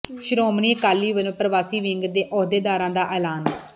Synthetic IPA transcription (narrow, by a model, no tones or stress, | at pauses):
ʃɾoːmɳiːkaːlːiːʋəlõːpɾəʋaːsiːʋɪŋɡd̪eːʔɔːd̪eːd̪aːɾãːd̪aːʔɛːlaːn